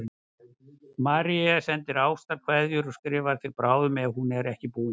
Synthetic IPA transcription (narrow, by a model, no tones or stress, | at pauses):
maːɾiasɛnt̪ɪɾaːwst̪aɾkʰvaðjʏɾɔskɾɪːvaɾ̥θɪɾpɾaːwðʏmɛvhunɛɾɛhcɪpuː